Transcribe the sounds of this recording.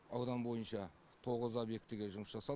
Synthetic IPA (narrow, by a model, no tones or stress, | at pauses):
ɑwd̪ɑnbo̞jənʃɑ | t̪ʰo̞ʁəzobje̞k̚t̪ɪɡʲe̞ʒʊməsʒ̥ɑsɑ